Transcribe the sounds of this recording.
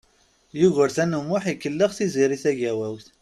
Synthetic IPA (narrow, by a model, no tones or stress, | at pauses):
juʝəɾθænəmːʊħikːəlːəʁθiziɾiθæʝæwæwθ